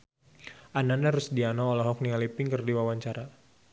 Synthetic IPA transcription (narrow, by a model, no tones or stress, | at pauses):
ʔananaɾʊsdianɔɔlɔɦɔk̚nialipɪŋkərdiwawaɲt͡ʃaɾa